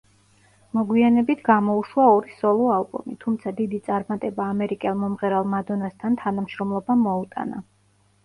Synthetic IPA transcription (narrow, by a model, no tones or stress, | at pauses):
mɔɡwianɛbit̪ʰɡamɔuʃwaɔɾisɔlˠɔalˠbṵmit̪ʰumt̪sʰad̪id̪it̪sʼaɾmat̪ʼɛbaːmɛɾikʼɛlˠmɔmʁɛɾalˠmad̪ɔnast̪ʰant̪ʰanamʃɾɔmlˠɔbamɔut̪ʼa̰na̰